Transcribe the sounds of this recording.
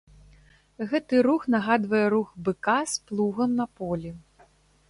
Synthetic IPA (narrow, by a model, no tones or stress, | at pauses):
ɣɛt̪ɨɾuxnaɣad̪vɐjɛɾuxbɨkasplˠuɣɐmnɐpɔlʲi